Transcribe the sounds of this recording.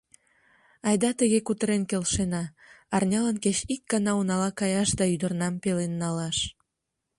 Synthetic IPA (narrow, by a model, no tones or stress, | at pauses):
ɑjd̪ɑt̪əɣekut̪əɾenkelʃenɑː | rnʲɑlənket͡ɕik̚ɡɑnɑunɑlɑkɑjɑʃd̪ɑyd̪ərnɑmpelenːɑlɑʃ